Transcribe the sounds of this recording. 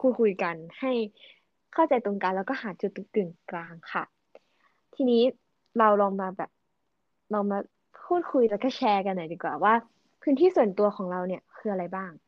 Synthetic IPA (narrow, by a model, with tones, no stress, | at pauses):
kʰuː˧˥˩kʰu˧jka˧nha˥˩j | kʰa˥˩wt͡ɕa˧jt̪o˧ŋkaː˧lɛː˦˥wkɔː˥˩ɦaː˩˦t͡ɕu˨˩t̪̚ːɯ˨˩ŋklaː˧ŋkʰa˥˩ | t̪ʰiː˧niː˦˥ | ɾa˧wlɔː˧ŋmaː˧bɛː˨˩p̚ | lɔː˧ŋmaː˧ | pʰuː˥˩t̪̚kʰu˧jlɛː˧˥kɔː˥˩t͡ɕʰɛː˧ka˧nːaː˨˩˦diː˨˩kwaː˨˩waː˥˩ | pʰɯː˦˥nt̪ʰiː˥˩su˨˩ənt̪u˧ɐxʰɔː˩˦ŋɾa˧wni˥˩ɐkʰɯː˧ʔa˧ɾa˧jbaː˥˩ŋ